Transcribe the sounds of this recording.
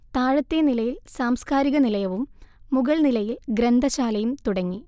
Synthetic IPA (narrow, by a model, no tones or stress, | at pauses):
t̪aːɻɐt̪ːenilɐjilsaːmskaːɾiɣɐnilɐjɐʋumːuɣɐɭnilɐjilɡɾend̪ʱɐɕaːlɐjumt̪uɽɐŋːi